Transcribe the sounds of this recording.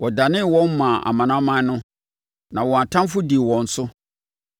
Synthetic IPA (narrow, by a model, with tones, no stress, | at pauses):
wɔ˨da˨nɪ̃˦wɔ̃˦m˦mã˨a̰˨mã˨nã˦mã˦n˦nʊ̃˦ | nã˨wɔ̃˨a˨tʰã˦m˦fʊ˦di˨wɔ̃˨n̩˨˦sʊ˦